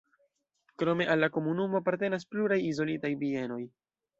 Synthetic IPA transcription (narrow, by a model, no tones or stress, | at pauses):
kɾo̞me̞ʔalːako̞munumo̞apaɾte̞nas̬pluɾajizo̞litajbie̞no̞j